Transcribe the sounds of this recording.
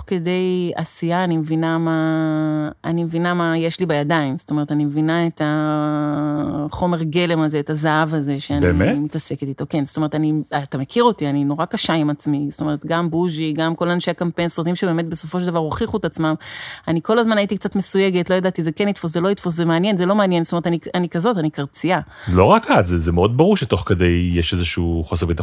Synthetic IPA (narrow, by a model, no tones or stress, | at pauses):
toke̞de̞ja̰sijaːnimevinamaː | nimevinamajeʃlibajadaimzo̥tome̞ʁetanimevinaet̪a | χo̞me̞ʁɡe̞le̞maze̞ːtazaavaze̞ʃeanbḛimimit̪ase̞ket̪it̪o̞kenzo̥t̪oeet̪aniat̪amekʰiʁo̞tianino̞ʁakaʃaimat͡smistoe̞etɡambuʒiɡamko̞lanʃe̞jakampejnsʁat̪imʃebeːme̞t̪̚be̞so̞fo̞ʃeld̪avaʁoχiχuet̪at͡smamaniko̞lazmanajitik̚t͡satme̞suje̞ɡe̞tlo̞jad̪at̪izekenit̪fos̬zelo̞it̪fos̬zemeanje̞nzelo̞meanjenzsotomeetanianikazo̞tanikaʁt͡sia | lo̞ʁakatzezemeo̞d̪̚baʁuʁʃet̪o̞χke̞d̪e̞jjeʃezeʃuχoseʁbit̪a